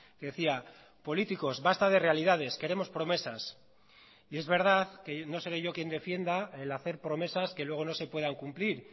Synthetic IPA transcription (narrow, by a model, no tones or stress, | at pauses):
keðe̞θia | po̞lit̪iko̞zβast̪aðe̞re̞alið̞að̞e̞ske̞ɾe̞mo̞spɾo̞me̞sas | ie̞zβe̞ɾð̞aðke̞no̞se̞ɾeʝo̞kje̞nd̪e̞fje̞nd̪aelaθe̞ɾpɾo̞me̞saske̞lwe̞ɣ̞o̞no̞se̞pwe̞ðaŋkumpliɾ